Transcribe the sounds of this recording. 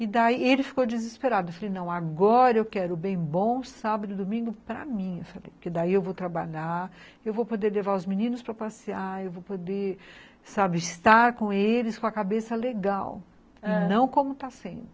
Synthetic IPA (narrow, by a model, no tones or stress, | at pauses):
ɪd̪aielɪfi̥kowd͡ʒɪzɪspeɾad̪ʊewfalejnɐ̃w̃aɡɔɾɐewkɛɾʊbẽj̃bõw̃sabɐd̪ʊd̪omĩŋɡʊpɾɐ̰mĩewfalḛjpʊɾked̪aiewvowt̪ɾabaʎaɾ | ewvowpod̪eɾlevaɾʊzminĩnʊspɾɐpasiaɾewvowpod̪eɾ | sabɪɪst̪aɾkõelɪskõɐkabesɐleɡaw | ɪnɐ̃w̃kõmʊt̪asẽnd̪ʊ